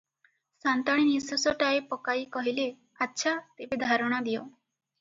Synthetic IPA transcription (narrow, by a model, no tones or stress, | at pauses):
sant̪ɔɽ̃inisɔsɔʈaepɔkaikɔɦile | atːʃʰat̪ebed̪ʱaɾɔɽ̃ad̪ijo